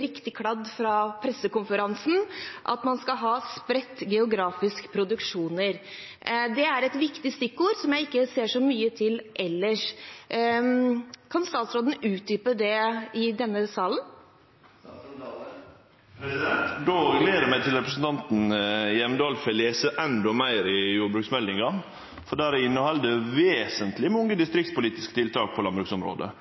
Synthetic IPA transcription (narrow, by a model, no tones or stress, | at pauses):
ɾɪkt̪ɪkʰɽɑd̪fɾɑpʰɾɛsːəkʊnfəɾɑnsn̩ʔɑ̰t̪mɑnskɑɦɑːspɾɛt̪ːɡɛʊɡɾɑːfɪskə̥pʰɾʊd̪ʉkʂuːnəɾ | d̪ɛæɾɛt̪ʋɪkt̪ɪst̪ʏkːuːɾsɔmjæɪɪkːəseːʂɔmyːət̪ʰɪlʔɛlːəʂ | kʰɑnst̪ɑːt̪sɾoːd̪n̩ʉːt̪̚d̪yːpəɖ̪ɛɪd̪ɛnːəsɑːlən | d̪oːɡleːd̪əmæɪt̪ɪlɾɛpɾəsən̩t̪ʰɑnt̪n̩jɛmnd̪ɑːlfɛleːsəʔɛnd̪ɔmæɪɾɪjuːbɾʉːksmɛld̪ɪŋɑn | fɔɖæːɾɪnːɔhɑld̪əʋeːsənt̪ʰlɪmʊŋːəd̪ɪst̪ɾɪk̚t̪spʊliːt̪ɪskət̪ɪlt̪ʰɑːk̚pʰɔlɑnbɾʉksɔmɾo̰ːd̪ə̰